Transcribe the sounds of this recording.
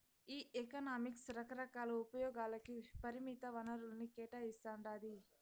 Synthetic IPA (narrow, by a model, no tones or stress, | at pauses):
iːʔekɐnaːmiksɾɐkɐɾɐkaːlɐupɐjɔːɡaːlɐkipɐɾimit̪ɐʋɐnɐɾulnikɛːʈaːist̪ɐɳɖaːd̪i